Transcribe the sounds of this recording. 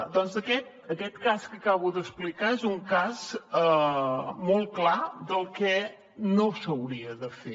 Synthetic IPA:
d̪ɔnzəkɛt̪̚ | əkɛt̪kaskəkaβuðəsplikaezuŋkazə | molˠklad̪əlˠkɛ | nosəwɾiəðəfe

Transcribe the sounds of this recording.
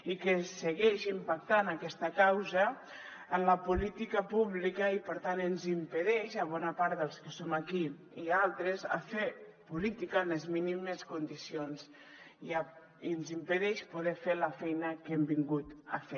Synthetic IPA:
ikesəɣɛʃimpak̚t̪anakɛst̪əkawzə | ənləpulit̪ikəpuβlikəipəɾt̪anənzimpəðɛʃaβ̞ɔnapaɾt̪ðəlˠskəsomaki | ialˠt̪ɾeza̰fepulit̪ikəːnezminiməskund̪isionz | ia | iənzimpəðɛʃpuðɛfeləfɛjnəkɛmbiŋɡut̪a̰fe

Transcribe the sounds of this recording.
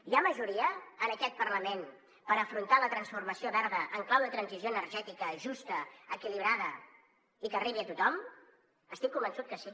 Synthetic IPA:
iaməʒuɾiəənəkɛt̪̚pərləmen | pəɾəfɾunt̪alət̪ɾənsfurməsioβɛɾðəʔəŋklawðət̪ɾənzizjoənərʒɛt̪ikəʒust̪əəkiliβ̞ɾaðə | ikəriβ̞iət̪ut̪ɔm | əst̪ikːumbənsut̪̚kəsi

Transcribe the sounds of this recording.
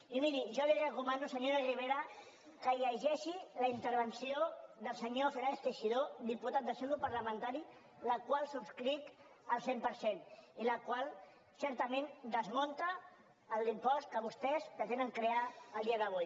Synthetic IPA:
imiɾiʒɔlirəkumãnd̪usəɲoɾariβ̞eɾa | kəjəʒɛʃiləint̪əɾβ̞ənsioðəlˠsəɲofeɾaest̪eʃiðod̪iput̪at̪̚d̪əselupaɾləmə̃nt̪aɾi | ləkwalˠsupskɾit̪ | əlˠsempəɾseniləkwalˠ | sɛɾt̪əmẽnd̪əzmõnt̪aː | lˠd̪impɔst̪kəβust̪ɛzt̪ət̪enəŋkɾeaəlˠd̪iɐðəβ̞uj

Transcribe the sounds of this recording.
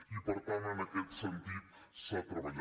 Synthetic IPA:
ipəɾt̪anənəkɛt̪sənt̪it̪̚sepɾəβəʎ

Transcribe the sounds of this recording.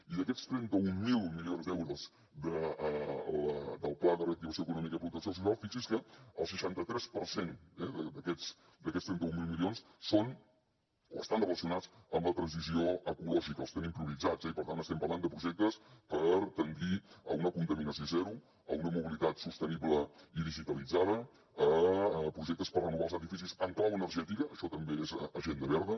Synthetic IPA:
iðəkɛst̪ɾɛnt̪əummilˠmilionzd̪ɛwɾəz | d̪ə | əd̪əlˠplaðəreəkt̪iβəsioəkunɔmikəiəpɾut̪əksios̬us̬alˠfisiskəəlˠsəʃant̪ət̪ɾɛspəɾsenɛðəd̪əkɛt͡s | d̪əkɛtst̪ɾɛnt̪əumilˠmilionsson | oə̰st̪anrələsiunat͡səmlət̪ɾənzizioəkulɔʒikəlˠəst̪enimpɾuβ̞id͡zad͡zɛipəɾt̪anəst̪ɛmpəɾland̪əpɾuʒɛk̚t̪əspəɾt̪əŋɡiə̰unəkunt̪əminəsiozɛɾu | ə̰unəmuβilit̪at̪sust̪əniβləiðiʒit̪əlid͡zað̞ə | əpɾuʒɛk̚t̪əspərrənuβalˠzəðifisizəŋklawənəɾʒɛt̪ikəʔːʃɔt̪əmbeezəʒend̪əβɛɾðə

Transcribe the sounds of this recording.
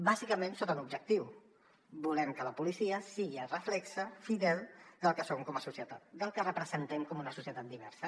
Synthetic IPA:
bazikəmẽnsot̪ənubʒək̚t̪iw | bulɛmkələpulisiəsiɣirəflɛksəfiðɛlˠd̪əlˠkəsoŋkɔməsusjət̪at̪̚d̪əlˠkərəpɾəzənt̪ɛmkomunəsusjət̪at̪d̪iβ̞ɛɾsə

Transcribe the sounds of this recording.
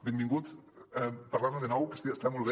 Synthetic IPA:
bembiŋɡut̪ɛpaɾlaɾmeðenɔwkest̪iest̪amolβe

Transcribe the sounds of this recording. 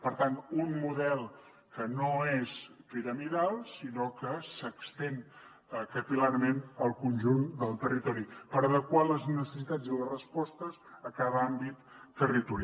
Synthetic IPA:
pəɾt̪anunmuðɛlˠ | kənoespiɾəmiðalˠsinokəsəkst̪en | kəpilaɾmenəlˠkunʲʒund̪əlˠt̪ərit̪ɔɾipəɾəðəkwaləznəsəsit̪ad͡zilərəspɔst̪əzəkaβəambit̪ːərit̪uɾa

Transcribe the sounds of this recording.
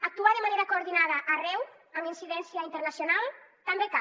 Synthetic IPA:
ak̚t̪uaðemaneɾakooɾðinaðaʔarɛw | aminsiðɛnsjaint̪eɾnasjonalt̪ambeka

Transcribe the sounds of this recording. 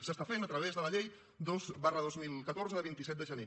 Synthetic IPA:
səst̪afenət̪ɾəβ̞ezðələʎej | d̪ozβarəðozmilˠkət̪oɾzəðəβint̪isɛt̪d̪əʒəne

